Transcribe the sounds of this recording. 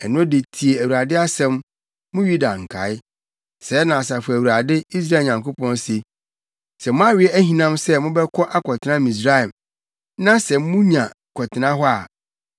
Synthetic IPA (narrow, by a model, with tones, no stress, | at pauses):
ɛ˨nʊ̃˦de˨tʰi˨e˨æ˨wu˨ɾa˨dɪ˦a˦sɛ̃˦mː | ʊ̃˦ɥu˦da˨ŋ̩˨kʰa̰˨˦ɪ˦ | sɛ˨˦nã˨sa˨fʊ˨æ˨wu˨ɾa˨dɪ˦i˦s̬ɾa˦˨ɲã˨ŋko˦pʰɔ̃˦nse˨ | sɛ˨mʊ̃˦a˦ɥɪ˨˦ɛ˦æ˦hĩ˨nã˦msɛ˦mʊ̃˦bɛ˦kʰɔ˦ʔa˦kʰɔ˨tʰɪ˨nã˦mĩ˨s̬ɾa˦ɛ˨m | nã˦sɛ˨mmːʊ̃˦ɲã˨ | kʰɔ˨tʰɪ˨nã˦ɦɔ˦a˨